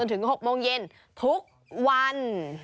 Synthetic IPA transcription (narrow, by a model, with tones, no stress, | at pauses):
ə˧nt̪ʰɨ˨˩˦ho˨˩mo˧nzɛ˧n | t̪ʰu˦˥ək̚ | wwa˧n